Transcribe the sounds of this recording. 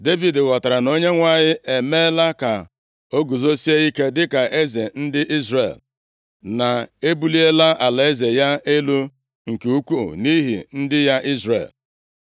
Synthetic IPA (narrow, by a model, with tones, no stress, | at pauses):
de˦vi˨dwa˨ta˨ɾa˨no˦ɲe˦ŋʷa˨ɲɪ˦ʔe˨me˦la˦ka˨ | o˦ɡu˨zo˦si˦e˦i˦ke˦dɪ˦ka˨ʔe˦ze˨n̩˦dɪ˦ʔi˦zrḛ˨l | na˨e˦bu˦li˦e˦la˦ʔa˨la˨e˦ze˨ja˦e˦lu˦ | ŋ̩˨ke˨u˦kʷṵ˦˨ni˦ɦḭ˨n̩˦dɪ˦ja˦ʔi˦zrḛ˨l